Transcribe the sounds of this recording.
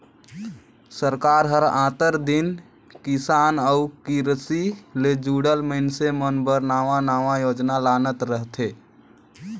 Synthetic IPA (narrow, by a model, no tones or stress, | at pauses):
səɾkaɾɦəɾãːt̪əɾd̪in | kisanəukiɾəsiled͡ʒuɽəlməɦnsemənbəɾnaːʋanaʋajod͡ʒnalanət̪ɾəɦt̪ʰe